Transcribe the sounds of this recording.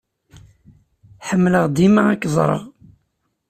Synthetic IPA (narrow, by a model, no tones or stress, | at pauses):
ħəmːləʁd̪imaækːzˤɾˤə̰ʁ